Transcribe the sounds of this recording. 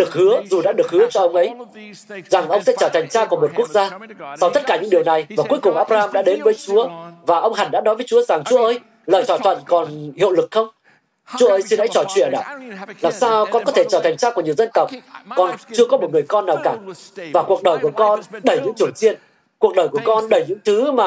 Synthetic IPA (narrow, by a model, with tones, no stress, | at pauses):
ɗɨ˨˩ək̚hɨ˨˦əzu˨˩ɗa̰ː˧˥ɗɨ˨˩ək̚hɨ˨˦ət͡ɕɔ˧ʔə˧wŋ͡mʔə˨˦j | za˨˩ŋʔə˧wŋ͡msɛ̰˧˥t͡ɕəː˧˩t̪ʰa˨˩jŋ̟t͡ɕaː˧kɔ˨˩mo˨˩t̚ku˦˥ək̚zaː˧sa˧wt̪ʰə˦˥t̚kaː˧˩ɲɨ̰˧˥ŋɗi˨˩əwna˨˩jvaː˨˩ku˨˦əjkʊ˨˩ŋ͡mʔaː˦˥p̚ɾaː˧mɗa̰ː˧˥ɗe˨˦nvəː˨˦jt͡ɕu˨˦əvaː˨˩ʔə˧wŋ͡mha˨˩nɗa̰˧˥nɔ˨˦jvəː˨˦jt͡ɕu˨˦əza˨˩ŋt͡ɕu˨˦ʔəː˧j | ləː˨˩jt̪ʰɔ˧˩jt̪ʰə̰˧˨nkɔ˨˩nhḭ˧˨wlɨ˨˩k̚xə˧wŋ͡m | t͡ɕu˨˦əʔəː˧˦jsi˧nha̰˧˥jt͡ɕɔ˧˩t͡ɕwḭ˧˨ənʔa̰ː˧˩laː˨˩msaː˧wkɔ˧nkɔ˨˦t̪ʰe˧˩t͡ɕəː˧˩t̪ʰa˨˩ŋ̟t͡ɕaː˧kɲi˨˩əwzə˧nt̪ə˨˩wk͡p̚kɔ˨˩nt͡ɕɨ˧əkɔ˨˦mo˨˩t̚ŋɨ˨˩əjkɔ˧nːaː˨˩wkaː˧˩vaː˨˩ku˨˩ək̚ɗəː˨˩jku˧˩əkɔ˧nɗə˧˩jɲɨ̰˧˥ŋt̪ʰi˧˩əwt͡ɕi˧ən | ku˨˩ək̚ɗəː˨˩jku˧˩əkɔ˧nɗə˧˩jɲɨ̰˧˥ŋt̪ʰɨ˨˦maː˨˩